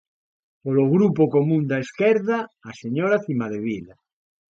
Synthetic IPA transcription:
poloɣɾupokomũnd̪aeskɛɾðaːseɲoɾaθimaðeβ̞ila

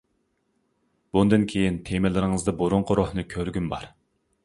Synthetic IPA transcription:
b̥und̪ɨnkʲʰejint̪ʰemɪlɪɾɪŋɨzd̪ɨboɾʊɴqʰəɾohnɨkʲʰøɾɡʲynbɑ̰ɾ

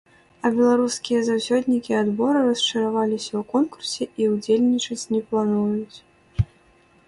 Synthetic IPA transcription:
ɐbʲɛlˠaɾuskʲijɐzawsʲɔd̪ʲnʲikʲiad̪bɔɾɨrɐst͡ʂɐɾavalʲisʲɐwkɔnkursʲɛʔiud͡zʲelʲnʲit͡ʂɐt͡sʲnʲɛplˠanujut͡sʲ

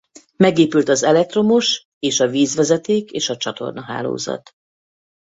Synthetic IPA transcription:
mɛɡeːpylt̪ɒzɛlɛk̚t̪ro̞muʃ | eːʃɒviːzʋɛzɛt̪eːkeːʃɒt͡ʃɒt̪o̞̰rnɒɦa̰ːlo̰ːzɒ̰t̪

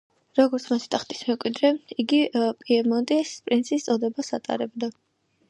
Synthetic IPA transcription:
ɾɔɡɔɾt̪sʰmat̪ʰi̥t̪ʰʼaχt̪ʼi̥smɛmkʼwid̪ɾɛiɡipʼiɛmɔnt̪ʼiɛspʼɾinsʰist̪sʼɔd̪ɛbasat̪ʼa̰ɾɛbd̪a

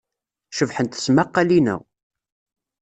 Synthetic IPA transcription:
ʃəvħənt̪θə̥smaqːalinæ̰w

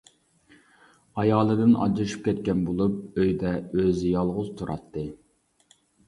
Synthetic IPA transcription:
ɑjɑːlˠɨd̪ɨnɑ̰d͡ʒɾʃy̥p̚kʲɛt̪̚kʲɛnbolˠup̚øjd̪ɛøzɪjɑlˠʁʊzt̪ʰuɾʔɑ̰t̪ʰːɨ

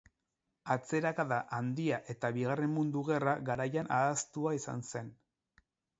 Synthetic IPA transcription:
at͡se̞ɾakaðaʔand̪iaʔe̞t̪aβiɣare̞mmund̪uɣe̞raɣaɾajanaðast̪uaisa̰nse̞n

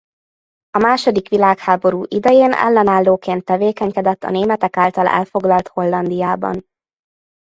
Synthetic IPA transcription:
ɒmaːʃo̞d̪ikʋilaːkhaːbo̞ɾuːʔid̪ɛjeːnɛ̰lːɛnaːlːoːkeːnt̪ːɛveːkɛɲkɛd̪ɛt̪ːɒ̰neːmɛt̪ɛkaːlt̪ɒlɛ̰lfo̞ɡlɒlt̪ho̞lːɒnd̪ijaːbɒ̰n

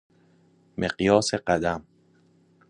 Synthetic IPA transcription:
mʔeɢjɒːseɢæd̪æm

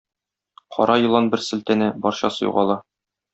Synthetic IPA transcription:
qʰɒ̰ɾʔɑjɤ̆lˠɑnbɘɾsɘ̆lt̪ænɘbɒɾɕɑsɤ̆jṵʁɑlˠɑ

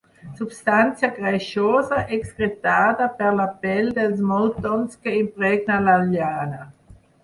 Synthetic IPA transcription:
subst̪ant̪t͡sjaɡɾajʃoːzaʔɛksɡʁet̪aːd̪apɛʁlapɛld̪els̬mɔt̪ɔnskeimpɾɛɡnalaljaːna

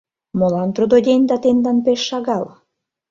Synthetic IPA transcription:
molɑnt̪ɾud̪od̪ʲenʲd̪ɑt̪end̪ɑnpeʃːɑɣɑl

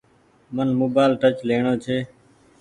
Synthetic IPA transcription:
mənmoːbaːlʈət͡ʃleːɳoːt͡ʃʰeː

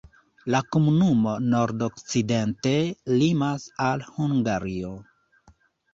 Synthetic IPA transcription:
lakomunumo̞no̞ɾdokt͡side̞nte̞limasalhuŋɡaɾio

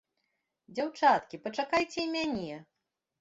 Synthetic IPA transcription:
d͡zʲawt͡ʂat̪kʲipɐt͡ʂakajt͡sʲɛimʲanʲɛ

